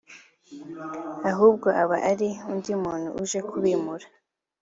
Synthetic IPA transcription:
aɦuːb̚ɡo̞ʔaβaʔaɾiundiumuːn̥hṵʔuʒe̞kʰuβiːmuɾa

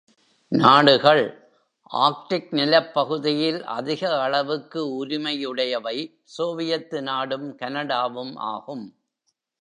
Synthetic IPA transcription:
naːɽɯɣɐɭ | ʔaːk̚ʈɪk̚nɪlɐpːɐɣɯðɪjɪlʔɐ̰ðɪɣɐːɭɐʋɯkːɯʊɾɪmɐjɯɽɐjɐʋɐɪ | soːʋɪjɐt̪ːɯnaːɽɯmkɐnɐɽaːʋɯmʔa̰ːɣɯm

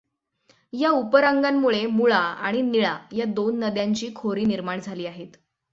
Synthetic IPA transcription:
jaupəɾaŋɡamːuɭemuɭaa̰ɽ̃iniɭajad̪onːəd̪jaɲt͡ɕiːkʰoɾiːniɾmaɳd͡zʱaliːaɦet̪

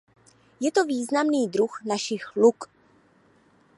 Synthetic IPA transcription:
jɛt̪oviːznamniːd̪ɾuxnaʃixluk

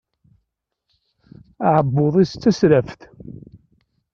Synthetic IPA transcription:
aʕəbːoðˤist͡sːæsɾæfθ

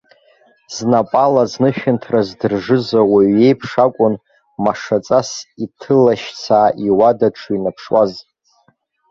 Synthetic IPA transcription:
z̥napʼalaznɨʃᶣɪntʰrazdɨrʐɨzawaɥe̞jpʰʂakʷʼʊn | maʂat͡sʼasitʰɨlaʃt͡sʰaːʔiwadaʈ͡ʂʰuinapʰʂwaz

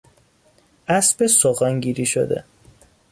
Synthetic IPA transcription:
ʔæsbesoɣæŋɡiːɾiʃo̰d̪ḛ

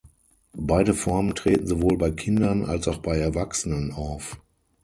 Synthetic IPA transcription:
b̥aɪdəfɔɐməntʁ̥eːtn̩zovoːlbaɪkʰɪndɐnʔa̰lsaʊxb̥aɪɛɐvaksənənaʊf

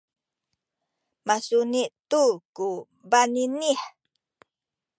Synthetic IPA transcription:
masuniʔt̪uku | baniniħ

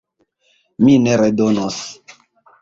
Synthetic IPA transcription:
mineɾedonos

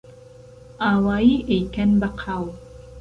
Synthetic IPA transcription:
ʔaːwaːjiːʔejkɐnbɐqʰaːw

